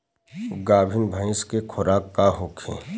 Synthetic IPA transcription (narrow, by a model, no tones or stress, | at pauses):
ɡaːbʱɪnbʱəɪ̃skekʰʊɾaːkːaɦoːkʰḛ̃ː